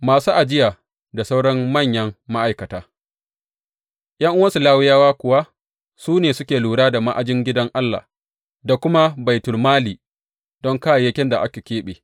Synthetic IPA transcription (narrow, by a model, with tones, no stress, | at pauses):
maː˨suː˦ʔa˨d͡ʒɪ˦jaː˨ | da˨sa˦wɽɔ˦mːɐ˦˨ɲjɐ˦ŋːa˦ʔa˨jkɐ˨taː˨ | ʔj̰ɐ˦ŋʔʊ˦wɐ˦su˨laː˦wɪ˦jaː˦waː˦kʷʊ˨wa˦ | suː˦neː˨sʊ˦kʲeː˨luː˨ɽaː˦da˨ma˦ʔa˨d͡ʒɪ˦ŋɡʲɪ˦dɐ˦ŋʔa˦lːa̰ː˨ | da˨kʷʊ˦ma˦ba˨jtʊ˨lmaː˦liː˨ | dɔ˦ŋkaː˦jjɐ˦kʲɛ˦nda˨ʔa˦kʲe˨kʲeː˦ɓeː˨